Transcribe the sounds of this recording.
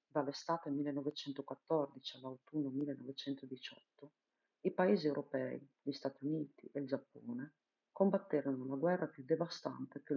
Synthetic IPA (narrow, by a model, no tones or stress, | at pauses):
d̪alest̪aːt̪emilːenɔvet͡ʃɛnt̪okwat̪ːɔrd̪it͡ʃialawt̪unːomilːenɔvet͡ʃɛnt̪od̪it͡ʃɔ̰t̪ːo | ipaeːziewɾʔopɛḭʎist̪at̪iuniːt̪ḭʔeld͡ʒapːɔːne | kombat̪ːeɾonolaɡwɛrːapjud̪evast̪a̰nt̪eke